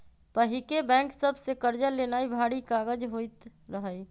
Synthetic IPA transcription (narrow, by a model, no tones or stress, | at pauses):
pəɦikebɛ̃ːŋksəbsekəɾd͡ʒəlenaːibʱaɽikaːɡəd͡ʒɦoit̪ɾəɦəj